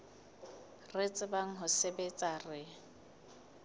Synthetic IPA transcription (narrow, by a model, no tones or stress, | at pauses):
ret͡sʼɪbaŋ̩ɦʊsebet͡sʼarɪ